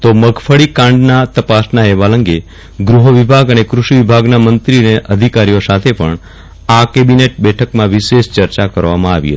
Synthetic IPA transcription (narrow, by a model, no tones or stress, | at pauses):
t̪oməɡfʰəɭikãɳɖnat̪əpasnaɦeʋaləŋɡe | ɡɾuɦəʋibʱaɡənekɾuʃiʋibʱaɡnamənt̪ɾineʔəd̪ʱikaɾijosat̪ʰepəɳ | akebineʈ̚bɛʈʰəkmãʋiʃeʃt͡ʃəɾt͡ʃakəɾʋamãaʋḭɦə̰t̪i̥